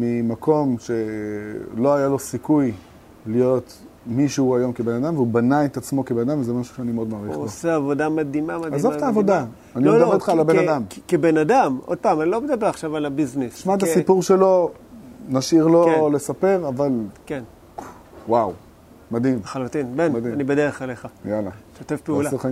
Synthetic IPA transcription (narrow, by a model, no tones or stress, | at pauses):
mimakʰo̞mʃe̞ | lo̞ajalo̞sikuj | lijo̞t̪ | miʃeuajo̞mkebe̞nad̪amveubanaet̪at͡smo̞kebenad̪amvzemaʃu̥ʃeanimeo̞d̪maːʁiχoseavo̞d̪amad̪imamadazzoft̪aːvo̞da | aniedabet̪χalabenad̪amkebenad̪amʔo̰d̪̚paːmanilo̞bed̪abe̞ʁaχʃavalabiznisʃmat̪̬asipuʁʃelo̞ | naʃiʁlole̞sape̞ʁavalken | waw | mad̪imχalut̪inbenianibed̪eʁeχaleχajalaʃot̪efpeulase